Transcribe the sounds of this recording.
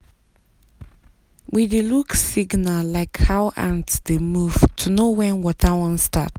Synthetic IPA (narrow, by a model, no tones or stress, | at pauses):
wideluksiɡnəlaɪkhawã̰ntsdemuv̥tʰunowɛ̃nwɔtawə̃nsta̰t̚